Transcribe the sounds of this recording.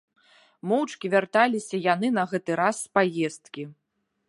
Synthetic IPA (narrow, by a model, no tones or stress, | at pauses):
mɔwt͡ʂkʲivʲart̪alʲisʲɐjan̪ɨnɐɣɛt̪ɨɾasːpajɛst̪kʲi